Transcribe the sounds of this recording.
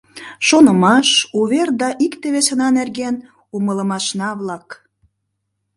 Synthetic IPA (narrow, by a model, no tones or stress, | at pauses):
ʃonəmɑʃuβerd̪ɑʔikt̪eβesenɑnerɣen | umələmɑʃnɑβlɑk